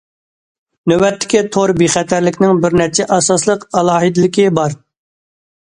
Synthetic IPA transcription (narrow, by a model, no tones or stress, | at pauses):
nøwɛt̪ʰːɪ̥kʲit̪ʰoɾbiχɛt̪ʰæɾlɪkʲnɪŋbɪɾnɛɾt͡ʃʰɛʔɑsɑslˠəqɑlˠɑːɦid̪lɪkʲɪbɑɾ